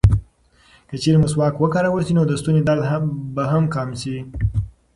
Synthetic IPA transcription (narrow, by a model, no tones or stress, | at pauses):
kət͡ʃeɾeməswɑkwəkɑɾawəɾsinod̪əst̪uned̪aɾd̪baɦamkɑmsi